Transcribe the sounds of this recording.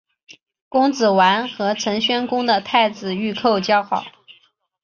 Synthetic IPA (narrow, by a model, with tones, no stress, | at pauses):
kʊ˥ŋt͡sɹ̩˨˩wa˧˥nxɤ˧˥ʈ͡ʂʰə˧˥ŋɕɥɛ˥nkʊ˥ŋd̪ə˨t̪ʰa˥˩ɪt͡sɹ̩˨˩y˥˧kʰo˥˩ʊt͡ɕjɑ˥ʊxɑ˨˩˦ʊ